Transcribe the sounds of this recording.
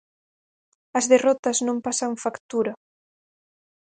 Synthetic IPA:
ɐzðerɔt̪ɐznõmpasaɱfakt̪uɾɐ

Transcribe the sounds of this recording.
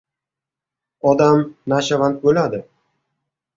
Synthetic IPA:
ɒd̪amnaʃavant̪̚bolad̪ɪ

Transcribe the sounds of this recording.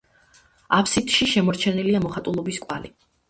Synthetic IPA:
apʰsit̪ʰʼʃiʃɛmɔɾt͡ʃʰɛniliamɔχat̪ʼulˠɔbiskʼwa̰li

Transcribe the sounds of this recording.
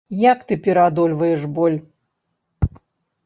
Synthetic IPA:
jakt̪ɨpʲɛɾad̪ɔlʲvɐjɛʂbɔlʲ

